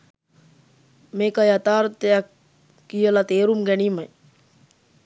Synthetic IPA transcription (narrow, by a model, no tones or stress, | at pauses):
mekajɐt̪aːɾt̪ja | kijəlat̪eːɾumɡɐɳ̃imɐj